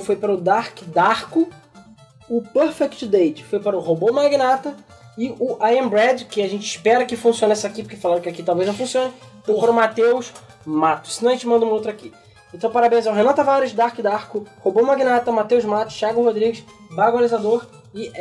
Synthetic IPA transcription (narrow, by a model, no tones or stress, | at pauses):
fojpaɾɐʊd̪aɾkɪd̪aχkʊ | ʊpɛɾfɛkt͡ʃd̪ejt͡ʃɪ̥fojpaɾʊhobomaɡinat̪ɐɪʊʔaẽbɾɛd͡ʒkɪaʒẽnt͡ʃɪʃpɛɾɐkɪfũsiõnɛsakipʊ̥kefalɐ̃ɾd̪ʊkɪakit̪awvejzñw̃fũsiõnɪ | fojpaɾʊmat̪ewʃ | mat̪ʊ̥sːɪnɐ̃ɐʒẽt͡ʃɪmɐ̃nd̪ɐũowt̪ɾaki | ẽt̪ɐ̃w̃paɾabẽj̃zɛwɦenãt̪ɐvaɾɪʃd̪aχkɪd̪aɾkʊhobomaɡinat̪ɐmat̪ewʃmat̪ʊ̥ʃt͡ʃaɡʊhod̪ɾiɡɪʃbaɡalizad̪oɾ | ɪ